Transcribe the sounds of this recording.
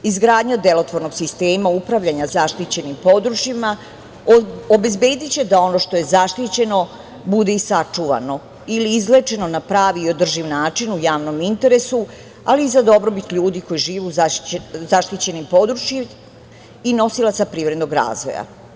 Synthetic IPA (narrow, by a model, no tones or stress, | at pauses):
izɡɾaːd̪ɲad̪e̞lo̞t̪ʋoɾno̞ɡsist̪eːmaupɾaʋʎaɲazaʃt̪it͡ɕe̞nimpo̞d̪ɾut͡ʃjima | obe̞zbe̞ːd̪it͡ɕed̪ao̞no̞ʃt̪o̞je̞zaʃt̪it͡ɕe̞no̞ | bud̪eisat͡ʂuʋa̰no̞ | iliːzlet͡ʃe̞no̞napɾaːʋiːo̞d̪r̩ʒiʋnaːt͡ʃinujaːʋno̞mint̪e̞ɾe̞su | aliːzad̪o̞bɾo̞bit̪ʎuːd̪iko̞jiʒiːʋuzzaʃt̪it͡ɕe̞nimpo̞d̪ɾut͡ʃji | ino̞silˠat̪sapɾiːʋɾed̪noɡɾa̰ːzʋo̞̰ja̰